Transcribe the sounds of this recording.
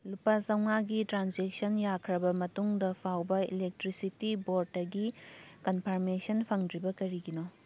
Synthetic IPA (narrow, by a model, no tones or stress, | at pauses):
lupasɐwŋaɡitɾanzek̚sɐnjakʰɾɐbɐmɐtuŋdɐpʰawbɐḭlek̚tɾisitiboɾtːɐɡikɐnpʰɐɾmesɐnpʰɐŋdɾibɐkɐɾiɡino